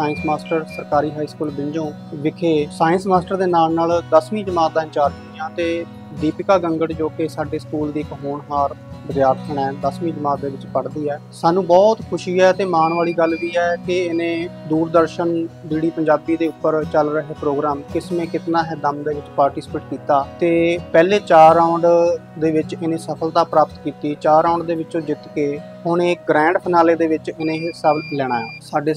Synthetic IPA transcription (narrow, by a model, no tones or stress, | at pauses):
saːɪnsmaːsʈəɾsəɾkaːɾiːɦaːiːskuːlbɪ̃ɲd͡ʒõː | ʋɪkʰeːsaːənsmaːsʈəɾd̪eːnaːlnaːld̪əsmĩːd͡ʒəmaːd̪aːɪ̃t͡ʃaːɾkɪɪjãːt̪eː | d̪iːpɪkaːɡəŋɡəʈd͡ʒoːkeːsaːɖeːskuːld̪iːɪkɦoːɳɦaːɾbəd̪jaːɾt̪ʰəɳɛ̃ːd̪əsmĩːd͡ʒəmaːd̪eːʋɪt͡ʃpəɽd̪iːɛː | saːnũːbɔːt̪kʰʊʃiːɛːt̪eːmaːnʋaːliːɡəlʋiːɛːkɪɪnẽːd̪uːɾd̪əɾʃənb̪iːɽiːpəɲd͡ʒaːbiːd̪eːʊpːəɾt͡ʃəlɾəɦeːpɾoːɡɾaːmkɪsmẽːkɪt̪naːɦɛːd̪əmd̪eːʋɪt͡ʃpaːɾʈiːspeːʈkiːt̪aːt̪eːpɛːleːt͡ʃaːɾaːɳɖd̪eːʋɪt͡ʃɪnẽːsəpʰəlt̪aːpɾaːpət̪kiːt̪iːt͡ʃaːɾãːɳɖd̪eːʋɪt͡ʃõːd͡ʒɪt̪keː | ɦʊɳeːɡɾɛ̃ːɳɖpʰɪnaːleːd̪eːʋɪt͡ʃɪnẽːɦsaːblɛːɽ̃aːɛːsaːɖeː